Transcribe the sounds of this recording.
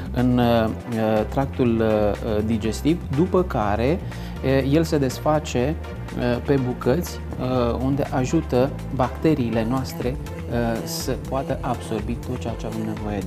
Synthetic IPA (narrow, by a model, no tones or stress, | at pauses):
ɨn | t̪ɾak̚t̪ul | d̪id͡ʒe̞st̪ivd̪upəkaɾe̞ | je̞lse̞d̪e̞sfat͡ʃe̞ | əpe̞bukət̪sʲ | und̪e̞ʔaʒut̪ə | bakt̪e̞ɾiːle̞noast̪ɾe̞ | səpoat̪əʔabso̞rbit̪o̞t̪̚t͡ʃeat͡ʃeavemne̞vo̞je